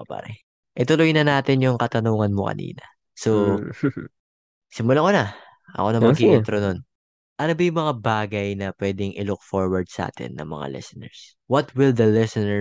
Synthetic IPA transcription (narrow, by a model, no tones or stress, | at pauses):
opa̰ːɾɛ | ʔɪt̪ʊlojnɐnaːt̪ɪnjʊŋkɐt̪ɐnuːŋɐnmokɐ̰nḭːnɐ | so | sɪmʊlakonɐ | ʔɐ̰ko̞nɐmɐɡiʔɪnt̪ɾonon | ʔɐnobɐjʊŋmɐŋabaːɡɐjnɐpwɛːd̪ɪŋʔɪlʊk̚foɹwɐɹd̪̚sɐʔa̰ːt̪ɪ̰nːɐ̰ŋmɐ̰ŋa̰lɛ̰sɛnɛ̰ɹs | wɐt̪wɪld̪ɐlɛsɪnɛ